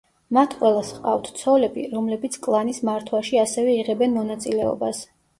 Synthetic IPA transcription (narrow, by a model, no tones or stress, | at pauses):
mat̪ʰqʼwɛlˠasqʼa̰ft̪ʰt̪sʰɔlɛbḭɾɔmlɛbit̪sʰkʼlˠanismaɾt̪ʰwaʃiasɛvɛiʁɛbɛnmɔnat̪sʼilɛɔ̰bas